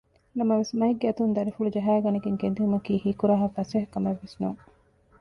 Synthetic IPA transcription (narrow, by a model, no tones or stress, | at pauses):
nɐmɐʋesmɐɦiɡːeɐt̪und̪ɐɾifulud͡ʒɐɦæːɡɐniɡeŋɡend̪iumɐkiːhiːkuɾaːɦɐfɐsɐɦɐkːɐmeʋːesnuŋ